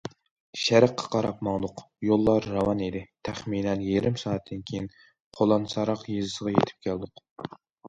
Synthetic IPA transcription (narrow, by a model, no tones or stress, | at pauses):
ʃæɾæqʰːɑ̥qʰɑɾɑpmɑŋd̪ʊq | jolˠːɑɾːɑwɑnid̪ɪt̪ʰæχminɛnjeɾɪmsɑːɛt̪ʰːɪnkʲʰejin | qʰolˠɑnsɑɾɑqjezɨsəʁɑjḛt̪ʰɪ̥p̚kʲʰæld̪ʊq